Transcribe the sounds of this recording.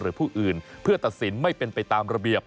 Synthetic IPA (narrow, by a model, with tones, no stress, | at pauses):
ɾɯː˩˦pʰuː˥˩ʔɯː˨˩npʰɯ˥˩ɐt̪a˨t̪̚si˩˦nma˥˩jpe˧npa˧jt̪aː˧mɾa˧bi˨˩əp̚